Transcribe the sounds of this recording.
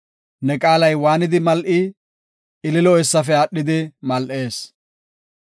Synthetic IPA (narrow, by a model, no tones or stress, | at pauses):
nɛkʼaːlɐjwaːnɪd̪ɪmɐlʔɪ | ɪlɪlɔɛsːɐfɛaɗːɪd̪ɪmɐlʔe̞ːs